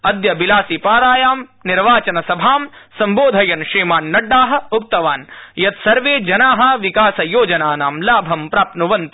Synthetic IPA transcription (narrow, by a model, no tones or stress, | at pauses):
ɐd̪jɐbilaːsipaːɾaːjaːmniɾʋaːt͡ʃɐnɐsɐbʱaːmsɐmboːd̪ʱɐjɐnʃɾiːmaːnːɐɖːaːɦɐ̆up̚t̪ɐʋaːnjɐt̪sɐɾʋeːd͡ʒɐnaːɦɐ̆ʋikaːsɐjoːd͡ʒɐnaːnaːmlaːbʱɐmpɾaːpnuʋɐnt̪